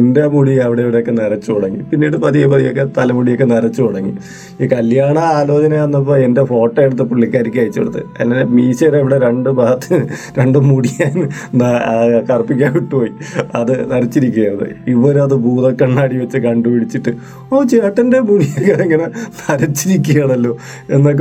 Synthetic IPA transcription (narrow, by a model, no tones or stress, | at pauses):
endemuɽiɐʋiɽeːʋiɽe̞jokːe̞nɐɾɐt͡ɕːukoɽɐŋːipinːiːɽɨpɐðijɐpɐðijokːe̞t̪ɐlɐmuɽijokːenɐɾɐt͡ɕːukoɽɐŋːḭ | ikɐljaːɳɐaːlo̞ːt͡ɕɐnɐɐnːɐp̬ːoe̞nde̞fo̞ːʈːɐeɽut̪ːɨpuɭːikʲːaːɾikʲːaːjit͡ɕːo̰ɽut̪ːɨ̰ɐ̰lːɐnemiːɕɐɾeʋiɽe̞ɾe̞ɳɖɨbaːt̪ːɨɾe̞ɳɖɨmuɽijaːn | nɐkɐrpːikʲːaːniʈːupoːjiɐðɨnɐɾɐt͡ɕːiɾikʲːujɐɐðɨ̰iʋɐːɾuɐðɨbuːðɐkːɐɳːaːɽiʋɐt͡ɕːɨkɐɳɖɨʋiɽit͡ɕːiʈːɨ | oːt͡ɕeːʈːɐnde̞muɽijɐkːɐɽeŋɡɐnɐnɐɾɐt͡ɕːiɾikʲːujɐɳɐlːo̞ː | enːok̬ː